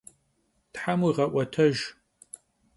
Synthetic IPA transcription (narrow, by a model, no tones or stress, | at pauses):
tħamuiʁɐʔʷɐtʰɐʒ